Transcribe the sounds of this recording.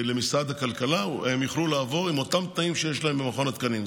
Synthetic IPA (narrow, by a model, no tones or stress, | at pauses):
le̞misʁad̪hakalkalawemjiχlulaːvo̞ʁimo̞t̪amt̪naimʃejeʃlaembemaχo̞nat̪kanin